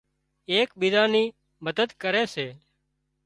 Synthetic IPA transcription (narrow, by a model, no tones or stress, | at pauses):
eːkɓid̪aːniː | məd̪əd̪kəɾeːseː